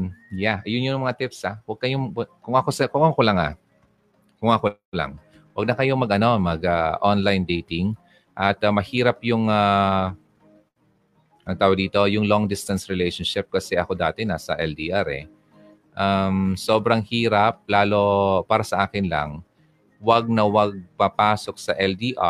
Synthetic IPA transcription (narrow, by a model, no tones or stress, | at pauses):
jajʊnjoŋmɐŋat̪ɪpsawɐɡ̚kɐjoŋkʊŋʔɐkosɛkʊŋakolɐŋa̰ | kʊŋakola̰ŋ | wɐɡ̚nɐkɐjomɐɡʔɐno̞mɐɡaʔonlajnd̪ejt̪ɪŋ | ʔɐt̪ɐmɐhiːɾɐp̚jʊŋa | ʔɐŋt̪aːwɐd̪iːt̪o̞jʊŋloŋd̪ɪst̪ɐnsɹɪlɛjʃonʃɪp̚kɐsɛʔɐko̞d̪aːt̪ɛnaːsɐʔɛld̪iːʔaɾɛ̰ | ʔamso̞ːbɾɐŋhiːɾɐp̚laːlo̞paːɾɐsɐʔaːkɪnlɐ̰ŋ | wɐɡ̚nɐwɐɡ̚papaːso̞k̚sɐʔɛld̪iːʔa